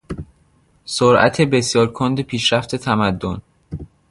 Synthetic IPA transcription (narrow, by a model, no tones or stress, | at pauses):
soɾʔæ̰t̪ʰe̞be̞sjɒːɾkʰond̪epʰiːʃɾæft̪ʰe̞t̪ʰæmæd̪ːon